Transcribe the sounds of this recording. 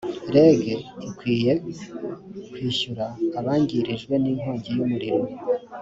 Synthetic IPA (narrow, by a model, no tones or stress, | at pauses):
ɾe̞ːɡeikwiːje̞ | kwiːʃuɾaːβaːɲɟiɾiʒɡwe̞niːŋ̥o̞ːɲɟijumuɾiɾo